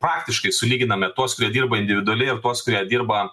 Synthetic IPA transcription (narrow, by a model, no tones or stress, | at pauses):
pɾɑːkt̪ʲɪʃkɐɪsʊlʲiːɡʲɪnɐmʲɛt̪uɔskʊɾʲiɛd̪ʲiːɾbɐɪnʲd̪ʲɪʋʲɪd̪ʊɐlʲɛɪrt̪uɔskʊɾʲiɛd̪ʲiːɾbɐ